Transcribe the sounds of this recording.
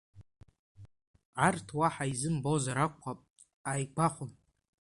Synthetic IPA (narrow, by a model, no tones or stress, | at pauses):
ʕartʰwaħaizɨmbozaɾakʷʰːapʼ | ajɡʷaχʷʊn